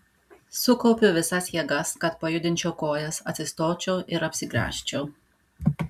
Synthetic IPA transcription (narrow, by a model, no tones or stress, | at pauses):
sʊkɔʊpʲʊʋʲɪsɐsjiɛɡɐskɐt̪pɐjʊd̪ʲɪnʲt͡ʃʲoːkoːjɛsɐt̪ʲsʲɪst̪oːt͡ʃʲoːʔɪɾɐpʲsʲɪɡɾʲæ̰ːʃʲt͡ʃʲoː